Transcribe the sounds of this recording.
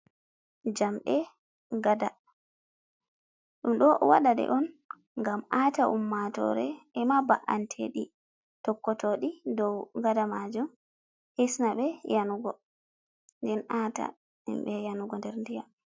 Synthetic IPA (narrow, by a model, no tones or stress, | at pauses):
d͡ʒamɓɛ | ɡada | ɗumɗɔʔwaɗaɗɛ̰ʔɔn | ŋɡamaːtaʔumːatɔ̰ɾɛɛmabaʔantʰeɗi | tɔkːɔtoɗidɔwɡadamad͡ʒum | hesnaɓɛjanuɡɔ | ndɛnata̰ | hḭmɓɛjanuɡɔndɛɾndija